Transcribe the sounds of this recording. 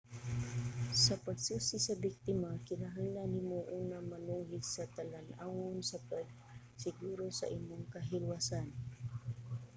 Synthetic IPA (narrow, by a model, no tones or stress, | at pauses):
sɐpɐɡsuːsɪsɐbɪk̚t̪ɪmakɪnaɦaŋlanɪmoʔuːnamɐnuːɦɪdsɐt̪ɐlanʔawʊnsɐpɐɡ̚ | sɪɡuːɾosɐ̰ʔɪmːoŋkɐɦɪlwasan